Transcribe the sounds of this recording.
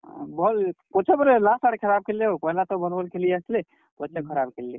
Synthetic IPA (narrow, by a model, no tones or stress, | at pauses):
bɔlkot͡ʃʰebəɾelasaɽekʰəɾab̚keleɦopəɦlat̪ɔbənbəlkelijəsli | kot͡ʃʰekʰəɾabkelːi